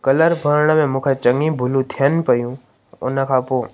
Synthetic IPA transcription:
kɐləɾbʱəɾɽ̃mẽmũːkʰet͡ʃɐ̃ŋɡĩbʱʊlũt̪ʰijənpɐjũ | ʊnə̆kʰapoː

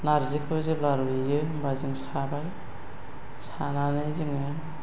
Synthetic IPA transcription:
naɾzekʰɯzɯblaɾuijɯbazɯŋsabaj | sananɯjzɯŋɯ

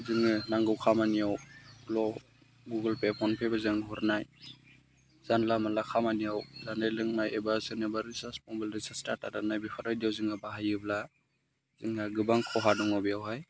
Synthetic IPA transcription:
zɯŋɯnaŋɡɯwkʰamanijawlɔ | ɡuɡɯlpepʰɔnpʰebazɯŋɦuɾnaj | z̥anlamalakʰamanijawzanajlɯŋnajebasɯnɯbaɾisasmɔbildɯsastaɾtadanajbipʰaɾajdijawzɯŋabaɦajɯbla | zɯŋaɡɯbaŋkʰɔɦadɔŋɔbijawɦaj

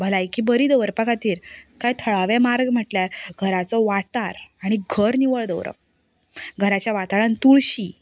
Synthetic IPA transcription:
bʱəlajkiːbəɾiːd̪əʋəɾpəkat̪iːɾkajt̪ʰəɭaʋɛ̃maɾɡm̤əʈljaɾɡʱəɾat͡sɔʋataɾaɽ̃iɡʱəɾniʋəɭd̪əwɾə̰k̚ | ɡʱəɾat͡ɕjaʋat̪aɭãnt̪uɭɕi

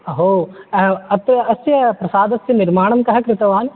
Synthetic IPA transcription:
ɐɦoː | ɐt̪ɐsjɐpɾɐsaːd̪ɐsjɐniɾmaːɳɐmkɐɦɐkɾɪt̪ɐʋaːn

